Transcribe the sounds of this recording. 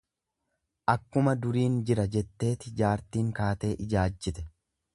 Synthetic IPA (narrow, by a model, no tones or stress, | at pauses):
ʔɐkːʊmɐd̪ʊɾiːnd͡ʒɪɾɐd͡ʒɛt̪ːe̞ːt̪ɪd͡ʒaːɾt̪iːŋkaːt̪e̞ːʔɪd͡ʒaːd͡ʒːɪt̪ɛ̥